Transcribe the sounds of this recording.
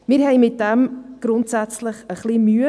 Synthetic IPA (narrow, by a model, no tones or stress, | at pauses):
mɪːɾhɛɪmɪt̚d̥ɛmɡ̥ɾʊntsæt͡sləχəχlimyə